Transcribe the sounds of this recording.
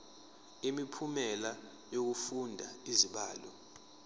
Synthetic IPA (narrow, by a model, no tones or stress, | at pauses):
imipʰumɛla | jok̬ufundʱaiziɓaːlɔ